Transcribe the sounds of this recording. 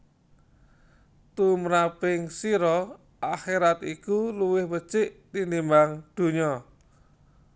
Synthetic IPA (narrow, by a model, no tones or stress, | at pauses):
t̪uməɾapɪŋsiɾɔ | ʔaxeɾat̪ikuluwɪhbə̥t͡ʃɪʔt̪inimbaŋd̪̥ṳɲɔ